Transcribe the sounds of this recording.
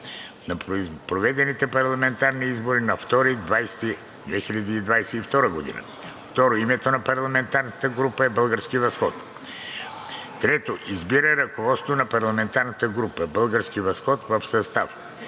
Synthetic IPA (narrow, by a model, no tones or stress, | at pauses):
nɐpɾovɛd̪ɛnit̪ɛpɐɾlˠɐmɛnt̪aɾniizboɾinɐft̪ɔɾid̪vajst̪i | d̪vɛxiʎʲɐd̪iːd̪vajsɛift̪ɔɾəɡod̪ḭnə̰ | ft̪ɔɾoimɛt̪onɐpɐɾlˠɐmɛnt̪aɾnət̪əɡɾupəɛbəlˠɡəɾsk̟ivɐsxɔt̪ | t̪ɾɛt̪oʔizbiɾəɾɐkovɔt̪st̪vonɐpɐɾlˠɐmɛnt̪aɾnət̪əɡɾupəbəlˠɡəɾskivɐsxɔt̪vɐfsɐst̪af